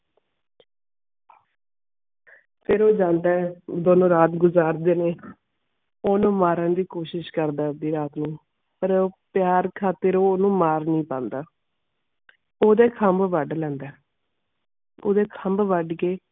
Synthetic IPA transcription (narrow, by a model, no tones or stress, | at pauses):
pʰeɾoːd͡ʒãːnd̪aːɛd̪oːnõːɾaːt̪ɡʊzaːɾd̪eːneː | oːnũːmaːɾəɳd̪iːkoːʃɪʃkəɾd̪aːd̪iːɾaːt̪nũː | pəɾpɪjaːɾkʰaːt̪əɾoːoːnũːmaːɾnĩːpãːnd̪aː | oːd̪eːkʰəmbʋəɖlɛ̃ːnd̪ɛː | o̰ːd̪eːkʰəmbʋəɖkeː